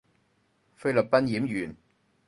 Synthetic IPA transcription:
fe˥jlɵ˨˩p̚pɐ˥njiː˨˥mjyː˨˩n

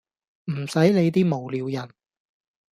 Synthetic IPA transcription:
m̩˨˩sɐ˨˥jle˨˧jt̪̬iː˥mo˨˩wliː˨˧wjɐ˨˩n

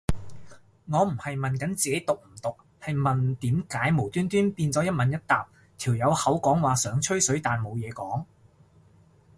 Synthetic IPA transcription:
ŋɔː˨˧m̩˨˩hɐ˨jmɐ˨nkɐ˨˥nt͡siː˨ke˨˥jt̪ʊ˨k̚m̩˨˩t̪ʊ˨k̚ | hɐ˨jmɐ˨nt̪iː˨˥mkaː˨˥jmo˨˩wt̪yː˥nt̪yː˥npiː˧nt͡sɔː˨˥jɐ˥t̚mɐ˨˧njɐ˥t̚t̪aː˨p̚ | t̪ʰiː˨˩wjɐ˨˧whɐ˨˥wkɔː˨˥ŋwaː˨˩sœː˨˥ŋt͡ʃʰɵ˥ɥsɵ˨˥ɥt̪aː˨nmo˨˧wjɛː˨˧kɔː˨˥ŋ

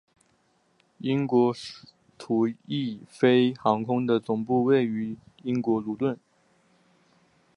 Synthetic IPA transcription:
i˥nkwɔ˧˥ | t̪ʰu˨˩i˥˩fe˥ɪxɑ˧˥ŋkʰʊ˥ŋd̪ə˨t͡sʊ˨˩ŋpu˥˧we˥˩ɪy˧˥i˥ŋkwɔ˧˥lu˨˥t̪wə˥˩n

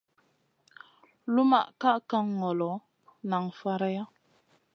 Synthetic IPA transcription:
lu˦ma̰˦˨ʔka˦ʔka˦ŋː˨ɔ˨lɔ˨˦ | na˨ŋfa˦ɾa˦ja˦

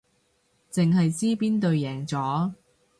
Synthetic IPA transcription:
t͡sɪ˨ŋɦɐ˨jsiː˥piː˥nt̪ɵ˨˧ɥjɛː˨˩ŋt͡sɔː˨˥

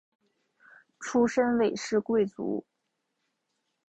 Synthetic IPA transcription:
ʈ͡ʂʰu˥ʂə˥nwe˨˩ɪʂɻ̩˥˧kwe˥˩ɪt͡sṵ˧˥

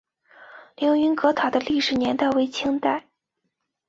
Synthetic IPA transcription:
ljo˧˥ʊy˧˥nkɤ˧˥t̪ʰɑ˨˩d̪ə˦li˥˩ʂɻ̩˨˩njɛ˧˥nt̪a˥˩ɪwe˧˥ɪt͡ɕʰi˥ŋt̪a˥˩ɪ

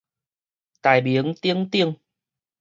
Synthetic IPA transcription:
t̪aː˨˩jɓi˨˦ənt̪i˧˦əŋt̪i˧əŋ

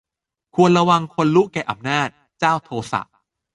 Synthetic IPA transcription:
kʰu˧ənɾa˧wa˧ŋkʰo˧nlu˦˥kɛː˨˩ʔa˧˩mnaː˥˩t̪̚ | t͡ɕaː˥˩wt̪ʰoː˧sa̰˨˩ʔ̚

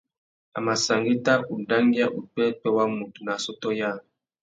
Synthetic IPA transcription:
a˨ma˨sa˨ŋɡi˦ta˦ʔu˨da˦ŋɡi˦a˦ʔu˨tɛ˦pɛ˦wa˦mu˨tu˨na˨sɔ˦tɔ˦ja˦˨

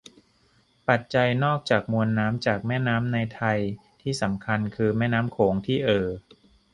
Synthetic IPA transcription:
pa˨˩t̪̚t͡ɕa˧jnɔː˥˩k̚t͡ɕaː˨˩k̚mu˧ənːaː˦˥mt͡ɕaː˨˩k̚mɛː˥˩naː˦˥mna˧jt̪ʰa˧jt̪ʰiː˥˩sa˩˦mkʰa˧nkʰɯː˧mɛː˥˩naː˦˥mkʰoː˩˦ŋt̪ʰiː˥˩ʔɤː˨˩

